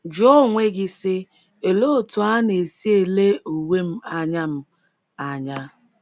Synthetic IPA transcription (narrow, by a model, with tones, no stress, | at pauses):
d͡ʒɔ˦˨ŋʷe˦ɡɪ˦sɪ˦ | e˨lo˦˨tʊ˨a˦ne˨si˦e˨le˦u˨we˦m̩˦a˨ɲa˦m̩˦ | a˨ɲa˦